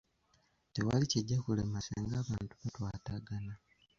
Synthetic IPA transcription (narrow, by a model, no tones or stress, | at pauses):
tewa̰liceɟːakulemasḛŋɡaːβaːntuβatwaːtaɡana